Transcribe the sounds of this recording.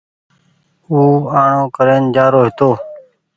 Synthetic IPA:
uːaːɳõːkəɾeːnd͡ʒaːɾoːɦɪt̪oː

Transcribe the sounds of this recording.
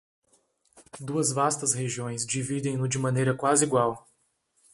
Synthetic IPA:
d̪uɐzvast̪ɐsheʒiõj̃sd͡ʒivid̪ẽj̃nʊd͡ʒɪmɐ̃nejɾɐkwazɪiɡwaw

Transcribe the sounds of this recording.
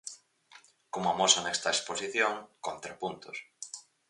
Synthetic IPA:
komoamosanɛkst̪ɐesposiθjoŋkont̪ɾepunt̪ʊs

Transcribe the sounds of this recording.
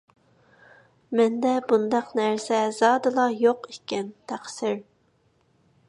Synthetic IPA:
mɛnd̪ɛbund̪ɑqnæɾsɛzɑːd̪ɨlˠɑjoqikʲʰːɛnt̪ʰæχsɪɾ

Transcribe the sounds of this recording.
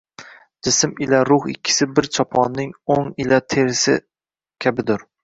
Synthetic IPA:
d͡ʒɪsɪmɪlaɾʊχɪ̰kʲʰːɪ̥sɪbɪɾt͡ʃʰɒpʰɒnːɪŋoŋɪlat̪ʰeɾɪsɪ | kʲʰabɪd̪ʊɾ

